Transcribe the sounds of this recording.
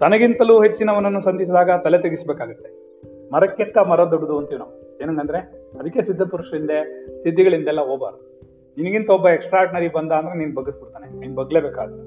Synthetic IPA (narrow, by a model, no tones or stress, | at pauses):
t̪ɐnɐɡint̪ɐluɦet͡ʃːinɐʋɐnːɐnːusɐnd̪is̬id̪aːɡɐt̪ɐlet̪ɐɡisbeːkaːɡut̪ːe̞ | mɐɾɐkjɐkːɐmɐɾɐd̪oɖːɐd̪uɐnt̪jinɐːu | eːnɐnɐnd̪ɐɾe̞ɐd̪ɐkːesid̪ʱːɐpuɾuʂɐind̪esid̪ʱːɐɡɐɭind̪ɛlːɐɦoːba̰ːɾd̪u | ninɐɡint̪ɐɔbːɐeksʈɾaːɖnɐɾibɐnd̪aːnd̪ɐɾeniːnubɐɡisbiɾt̪aːneniːnubɐɡle̞ːbeːka̰ːɡɐt̪ːe̥